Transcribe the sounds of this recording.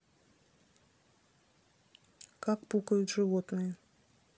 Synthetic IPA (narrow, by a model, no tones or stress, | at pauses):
kakpukəjʊt̪ʐɨvot̪nɨjə